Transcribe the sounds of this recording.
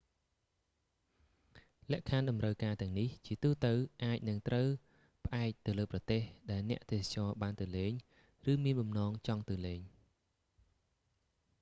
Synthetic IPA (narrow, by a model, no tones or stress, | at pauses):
lɛ̆əʔkʰanɗɑmrəwkaːt̪ɛ̆əŋniht͡ɕiət̪uːt̪ɨwʔaːc̚nɨŋt̪rəw | pə̆ʔaɛk̚t̪ɨwləːprɑt̪eːhɗaɛlnɛ̆əʔt̪eːst͡ɕɑːɓaːnt̪ɨwleːɲ | rɨːmiənɓɑmnɑːŋt͡ɕɑŋt̪ɨwleːɲ